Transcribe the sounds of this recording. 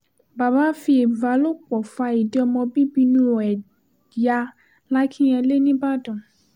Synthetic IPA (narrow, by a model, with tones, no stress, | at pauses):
ba˨ba˨˦fi˧˦e˨va˨˦lo˦k͡pɔ˨fa˧i˨di˨˦ɔ˧mɔ̃˧bi˦bi˧˦nũ˦ɾɔ˨ɛ˨ | ja˧ | la˦kʰĩ˦j̃ɛ̃˧le˦nĩ˦ba˦˨dɔ̃˨